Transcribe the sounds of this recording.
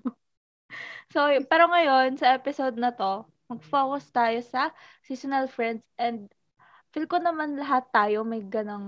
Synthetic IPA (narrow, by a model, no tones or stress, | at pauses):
sopɛːɾoŋɐjo̞nsɐʔɛpɪsod̪̚nɐt̪o̞ | mɐɡ̚foːkʊst̪aːjo̞sɐ | sisonɛlfɹɛnd̪̚sʔɛnd̪̚ | fɪlkonɐmanlɐɦat̪ːaːjomɐjɡɐnoŋ